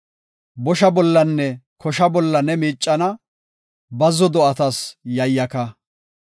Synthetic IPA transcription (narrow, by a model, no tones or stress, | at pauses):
bɔʃɐbɔlːɐnːɛkɔʃɐbɔlːɐnɛmiːt͡ʃʼːɐnɐ | bɐzɔd̪ɔɐt̪ɐsjɐjːɐkɐ